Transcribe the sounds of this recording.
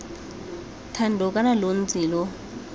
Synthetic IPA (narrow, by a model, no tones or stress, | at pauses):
tʰandʱɔkʼanalon̩t͡siːlɔ